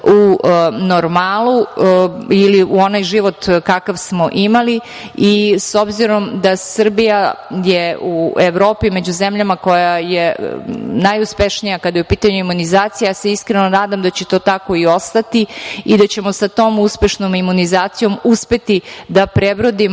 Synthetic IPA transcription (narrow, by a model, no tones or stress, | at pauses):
unoɾmaːlˠu | iliuo̞najʒiʋo̞t̪kakaʋsmo̞ʔimali | iso̞bziɾo̞md̪asr̩bijajeueʋɾo̞ːpime̞d͡ʑuzemʎamako̞jaje | najuspe̞ʃnijakad̪ajeupiːt̪aɲuimunizaːt̪sijeseiskɾe̞no̞naːd̪amd̪at͡ɕet̪o̞ːt̪ako̞io̞st̪at̪iid̪at͡ɕe̞mo̞sat̪o̞ːmuspe̞ʃnomimunizaːt̪sijo̞muspe̞t̪id̪apɾebɾod̪im